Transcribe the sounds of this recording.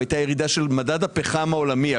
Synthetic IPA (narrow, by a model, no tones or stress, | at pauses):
ajt̪ajeʁid̪aʃe̞lmadad̪apeχamao̞lamia